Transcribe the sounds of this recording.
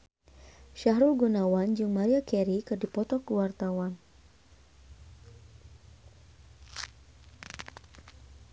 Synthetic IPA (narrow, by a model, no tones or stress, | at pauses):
ʃaɦɾulɡunawand͡ʒuŋmaɾiakɛɾikɨrdipɔt̪ɔkəwart̪awan